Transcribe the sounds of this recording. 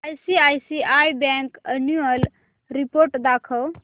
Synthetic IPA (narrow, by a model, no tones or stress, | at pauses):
ajsiajsiajbɛ̃ŋkənuəl | ɾipoɾʈd̪akʰəw